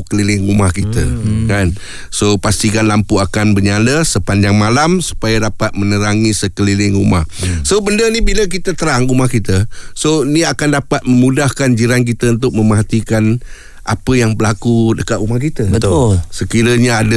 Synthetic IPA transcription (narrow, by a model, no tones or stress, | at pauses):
kəlilɪŋumahkit̪əkan | sopast̪ikanlampuakanbərɲaləsəpaɲd͡ʒaŋmalamsu̥pajadapat̪̚mənəɾaŋisəkəlilɪŋumahsobəndənibiləkit̪ət̪əɾaŋumahkit̪əsoiniakandapat̪̚məmudahkand͡ʒiɾank̬it̪əunt̪̬ʊk̚məmaɦat̪ikan | apəjaŋbəlakudəkat̪umahkit̪əbət̪ʊsəkiɾəɲaadə